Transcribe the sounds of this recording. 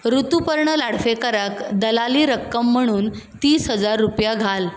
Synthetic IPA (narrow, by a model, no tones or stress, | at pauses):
ɾut̪upəɾɳəlaɽ̤fekəɾakd̪əlaliːɾəkːəmːəɽ̃uːn | t̪iːsɦəd͡zaɾːupjaɡʱal